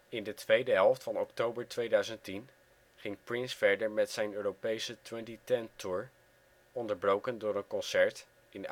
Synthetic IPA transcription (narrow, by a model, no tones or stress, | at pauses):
ɪndətʋejdəɦɛlˠftfɑnɔktowbəɹtʋejdœɥzəntin | χɪŋprɪnsfɛɹdəɹmɛtsɛjnøːrowpejsətwɛntitɛntʰʊɹ | ɔndəɹbrowkəndʊːɹənkɔnsɛɹt | ɪn